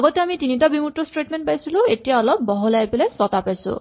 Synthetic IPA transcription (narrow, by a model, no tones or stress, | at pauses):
ɡɔteamitinitabimutːɔstɹetmenpajsiluetijaɔlɔp̚ːɔɦɔlajpelɛsɔtapajsʊ̰̃